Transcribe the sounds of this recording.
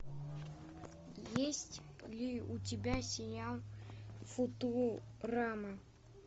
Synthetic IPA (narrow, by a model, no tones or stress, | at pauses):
jesʲtʲ | lʲɪʊtʲɪbʲasʲɪjalˠ | fʊt̪uramə